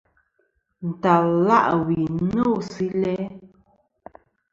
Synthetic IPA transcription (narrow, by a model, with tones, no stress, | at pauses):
n̩˨ta˨llːa̰˦˨ʔwi˨˦no˦˨si˦lɛ˦